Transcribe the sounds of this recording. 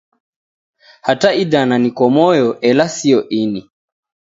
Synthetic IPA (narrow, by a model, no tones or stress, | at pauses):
hataiɗananikwɔmɔjɔʔɛlasiɔʔini